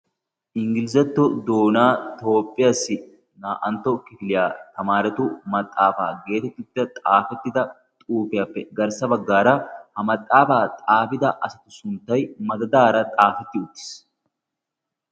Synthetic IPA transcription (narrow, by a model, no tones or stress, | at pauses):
ʔɪŋɡɪlɪzɐt̪ːʊd̪oːnaːt̪o̞ːpʼːɪjɐsɪ | naːʔɐnt̪ɔkɪfɪlɪjaːt̪ɐmaːɾɛt̪umɐt̪ʼːaːfa̰ːɡe̞ːt̪ɛt̪ːʊt̪ːɐt̪ʼaːfɛt̪ːɪd̪ɐ | t̪ʼuːfɪjɐpːɛɡɐɾsɐbɐɡːaːɾɐhɐmɐt̪ʼːaːfaːt̪ʼaːfɪd̪ɐʔɐsɐt̪ʊ̥sʊnt̪ɐjmɐd̪ɐd̪aːɾɐt̪ʼaːfɛt̪ːɪʊt̪ːɪ̥s